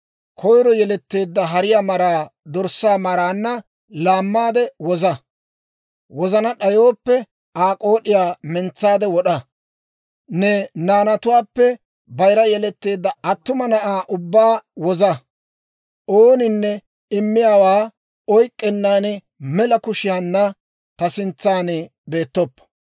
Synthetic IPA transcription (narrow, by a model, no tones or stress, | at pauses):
kʰɔjɾɔjɛlɛt̪ːe̞ːd̪ːɐɦɐɾɪjaːmɐɾaːd̪ɔɾsaːmɐɾaːnːɐ | laːmːaːd̪ɛwɔzɐ | wɔzɐnɐɗɐjo̞ːpːɛ | aːkʼo̞ːɗɪjaːmɛnt͡sːaːd̪ɛwɔɗɐ | nɛnaːnɐt̪ʊwaːpːɛ | bɐjɾɐjɛlɛt̪ːeːd̪ɐɐt̪ːʊmɐnɐʔaːʔʊbːaːwɔzɐ | ʔoːnɪnːɛ | ɪmːɪjaːwaː | ɔjkʼːɛnːaːnɪ | mɛlɐkʊʃɪjaːnːɐ | t̪ɐsɪnt͡sːaːnɪ | be̞ːt̪ːɔpːɐ̥